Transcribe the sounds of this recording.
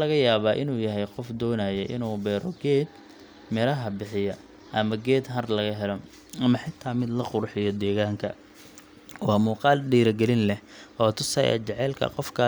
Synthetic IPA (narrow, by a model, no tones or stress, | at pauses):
lɐɣɐjaːβaːʔɪnuːjɐɦɛjqɔfd̪ɔːnajɛʔɪnuːbɛːɾɔɡɛːd̪ | mɛlɐɦɐbɪħɪjɐ | ʔɐmɐɡɛːd̪ɦɐrlɐɣɐɦɛlɔ | ɐmɐħɪt̪ʰːaːmɪd̪lɐqʊɾħɪjɔd̪ɛːɣaːŋkʰɐ | wɑːmuːqɑːlɖiːɾɐɡɛlɪnlɛhʔɔːt̪ʰʊsɐ̰jɛ̰t͡ʃɛʕɛːlkʰɐ̰qɔfkʰɐ